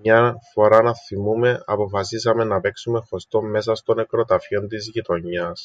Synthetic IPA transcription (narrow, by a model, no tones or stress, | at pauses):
mɲɐfo̞ɾɐnɐθimume̞ɐpo̞fɐsisɐme̞nɐpe̞ksume̞xo̞st̪o̞mːe̞s̬ɐst̪o̞ne̞kɾo̞t̪ɐfio̞nt̪izʝit̪o̞ɲːɐs